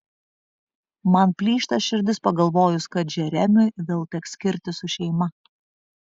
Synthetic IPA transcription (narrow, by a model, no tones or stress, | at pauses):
mɐnpʲlʲiːʃt̪ɐsʃʲɪɾʲd̪ʲɪspɐɡɐlˠʋoːjʊskɐt̪ʒʲɛɾʲɛmʲʊʋʲeːlˠt̪ʲɛksʲkʲɪɾʲt̪ʲɪsʊʃʲɛɪmɐ